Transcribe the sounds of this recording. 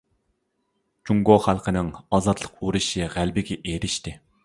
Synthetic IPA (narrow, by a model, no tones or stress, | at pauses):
t͡ʃuŋɡoχælˠqʰənɨŋɑzɑt̪lˠəquɾɨʃɨʁælbɪɡʲɛʔeɾɪʃt̪ɪ